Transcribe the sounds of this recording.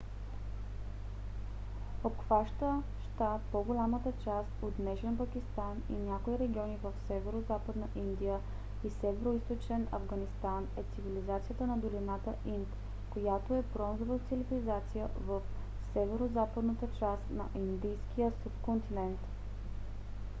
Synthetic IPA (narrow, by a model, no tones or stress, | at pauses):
opxvaʃt̪ə | ʃt̪apoɡolʲamət̪ət͡ʃast̪ot̪nɛʃɛnpəkʲist̪anḭnʲjakoiɾɛɡʲiɔnivəfsɛvɛɾozapəd̪nəʔind̪ijə | isɛvɛɾoist̪ot͡ʃɛnɐ̰vɡɐnist̪anɛt̪sivilizat̪sijət̪ənɐd̪olinat̪əʔint̪ | kojat̪oɛbɾɔnzovət̪silivʲilizat̪sijə̰vəf | sɛvɛɾozapəd̪nət̪ət͡ʃast̪nɐ̰ʔind̪ijskijəsupkont̪inɛnt̪